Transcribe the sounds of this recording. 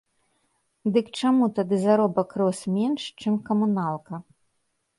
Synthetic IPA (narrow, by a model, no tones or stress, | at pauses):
d̪ɨkt͡ʂamut̪ad̪ɨzaɾɔbɐkɾɔsmʲɛnʂt͡ʂɨmkɐmunalˠkɐ